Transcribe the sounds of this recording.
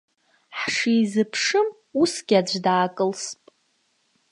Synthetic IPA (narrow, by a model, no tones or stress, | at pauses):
ħʂizɨpʰʂɨm | usɡʲad͡ʒʷdaːkʼɨlspʼ